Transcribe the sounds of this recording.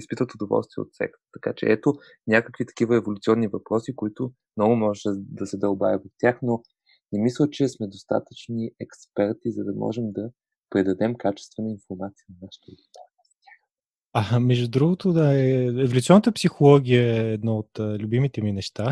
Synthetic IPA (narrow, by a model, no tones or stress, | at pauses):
ispit̪vət̪od̪ovɔ̰lˠst̪viɛ̰o̰t̪sɛ̰kt̪t̪ːɐka̰t͡ʃɛ̰ɛt̪o | nʲakəkvit̪ɐ̥kivəɛvolʲʊt̪siɔnːivɐpɾɔsikoit̪ʊ | mnɔɡʊmɔʒɛd̪ɐsɛd̪ɐlˠba̰vəvɐft̪ʲjaxno | nɛmislˠət͡ʃɛsmɛd̪ost̪a̰t̪ət͡ʃniɛkspɛɾt̪izɐd̪ɐmɔ̰ʒɛmd̪ɐ | pɾɛd̪ɐd̪ɛmkat͡ʃɛ̥st̪vənəinfoɾmat̪sijənɐnaʃə̥t̪əɡ̪it̪aɾst̪ʲax | amɛʒd̪ud̪ɾuɡʊt̪od̪aɛɛvolʲut̪iɔnət̪əpsixolˠɔɡʲijəːd̪naot̪ːlʲubimit̪ɛminɛʃt̪a